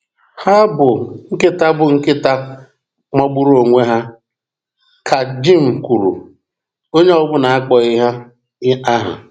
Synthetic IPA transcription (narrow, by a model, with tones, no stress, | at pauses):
ha˦bʊ˨ŋ̩˦kɪ˦ta˦bʊ˨ŋ̩˦kɪ˦ta˦ | ŋ͡mɔ˦ɡ͡bu˦ɾo˨ŋʷe˦ɦa˦ | kʰa˨d͡ʒi˦ŋ̩˨ku˨ɾṵ˨ | o˦ɲe˦ɔ˦bʊ˦na˨a˦k͡pɔ˨ɪ˦ɦa˦ | ɪ˦a˦ɦa̰˨